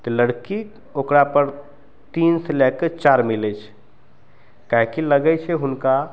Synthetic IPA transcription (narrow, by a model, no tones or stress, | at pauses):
t̪ɔləɽki | okɾapəɾ | t̪inselɛkːt͡ʃaɾmilɛt͡ʃʰ | kaɦikiləɡɛt͡ʃʰeɦʊnka